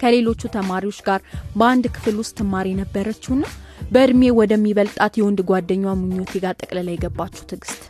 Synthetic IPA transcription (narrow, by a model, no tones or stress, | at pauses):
kʰəle̞lo̞t͡ʃːut̪ʰəmaɾiwo̞t͡ʃːɡaɾbəand̪kʰɨ̥flwʊst̪ʰːɨmːaɾijɛnəbːəɾət͡ʃːɪhnːabəɨd̪me̞wɔd̪əmːiβəlt̪ʼat̪jɛwɔnd̪ɡʷad̪ːəɲːwamɨɲːot̪ʰɛɡat̪ʼəkʼləlajɛɡəbːat͡ʃːɛ̥wt̪ʰɨɡɨst̪ʼ